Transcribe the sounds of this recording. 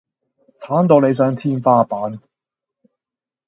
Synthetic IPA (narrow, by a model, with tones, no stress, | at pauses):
t͡sʰaː˨˥nt̪o˨˧wne˨˧js̬œː˨˥ŋt̪ʰiː˥nfaː˥paː˨˥n